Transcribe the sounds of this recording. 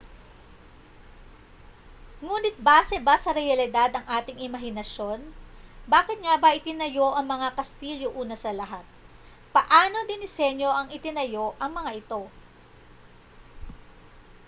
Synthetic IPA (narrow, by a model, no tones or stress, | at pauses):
ŋuːnɪt̪̚baːsɛbasɐɾɛjɐlɪd̪ad̪ɐŋʔaːt̪ɪŋɪmɐɦɪnɐʃo̞nbaːkɪt̪̚ŋabɐʔɪt̪ɪnɐjo̞ʔɐŋmɐŋakɐst̪iːljoʔuːnɐsɐlɐɦat̪̚ | pɐʔaːno̞d̪ɪnɪsɛnjo̞ʔɐŋɪt̪ɪnɐjo̞ʔɐŋmɐŋaʔɪt̪o̞